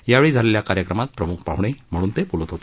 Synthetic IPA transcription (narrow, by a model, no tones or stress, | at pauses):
jaʋeɭiːd͡zʱaleljakaɾjəkɾəmat̪̚pɾəmuk̚ʰpaʋɳ̃ejm̤əɽuːnt̪epulət̪ɦot̪e